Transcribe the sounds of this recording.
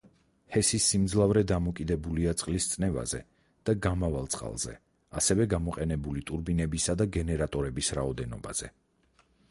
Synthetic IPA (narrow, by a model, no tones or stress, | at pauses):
hɛsisːimd̪zlˠavɾɛd̪amɔkʼid̪ɛbuliat̪sʼqʼlist̪sʼnɛva̰zɛ̰ | d̪̥aɡamavalˠt̪sʼqʼa̰lˠz̥ɛ̰ | a̰sɛvɛɡamɔqʼɛnɛbulit̪ʼuɾbinɛbisad̪aɡɛnɛɾat̪ʼɔɾɛbisɾaɔd̪ɛnɔ̰baz̥ɛ̰